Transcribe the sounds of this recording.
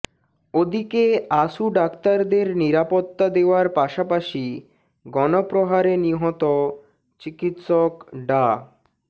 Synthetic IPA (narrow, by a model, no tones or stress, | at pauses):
od̪ikeaʃuɖakt̪aɾd̪eɾniɾapot̪ːad̪eoaɾpaʃapaʃi | ɡɔnopɾoɦaɾeniɦɔt̪o | t͡ɕikit̪ʃokɖa